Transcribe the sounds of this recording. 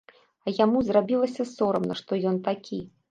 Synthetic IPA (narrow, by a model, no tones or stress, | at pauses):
ɐjamuzrabʲilˠɐsʲɐsɔɾɐmnɐ̰ʂt̪ɔjɔnt̪akʲʰi